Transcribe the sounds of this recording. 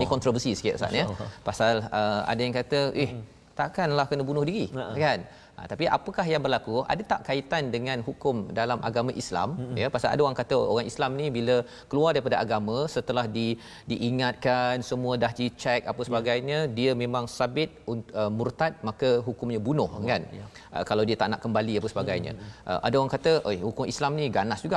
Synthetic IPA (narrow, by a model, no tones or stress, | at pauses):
nĩkɔnt̪ɾovəsisə̥ka̰ʔsa̰ʔnəpasaləa̰dajaŋkat̪əʔɪh | t̪aʔkanlahkənəbunʊhdiɾikan | ʔə̰t̪apiʔa̰pəkahjaŋbərlakua̰dat̪aʔkait̪andəŋãnɦukʊmdalamʔa̰ɡamãʔisla̰mjəpasala̰daoɣaŋkat̪əʔo̰ɾaŋislamnibilə | kəluardaɾipadaʔaɡamə̃sət̪əlahdi | diʔiŋat̪̚kansəmũədaɦdit͡ʃɛk̚apəsəbaɡajɲədiəmẽmãŋsabɪt̪̚unəmurt̪at̪̚makəɦukʊmɲəbunʊhkan | ʔə̰kalawdiət̪a̰ʔnaʔkəmbaliapəsəbaɡajɲə̰̃ʔə̰ʔadaoɣaŋkat̪əʔohukʊŋislamnĩɡanasd͡ʒuɡaʔ